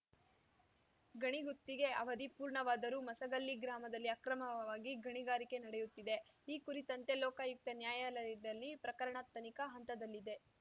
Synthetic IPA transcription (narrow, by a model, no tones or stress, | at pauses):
ɡʱɐɳiɡut̪ːiɡe̞ɐʋɐd̪ipuːɾɳɐʋaːd̪ɐɾumɐsɐɡɐlːiɡɾaːmɐd̪ɐlːiɐkɾɐmɐʋaːɡiɡʱɐɳiɡaːɾike̞nɐɽejut̪ːid̪e̞iːkuɾit̪ɐnt̪e̞lɔːkaːjuk̚t̪ɐnjaːjɐlɐdɐlːipɾɐkɐɾɐɳɐt̪ːɐnikɐɦɐnt̪ɐd̪ɐlːid̪e̞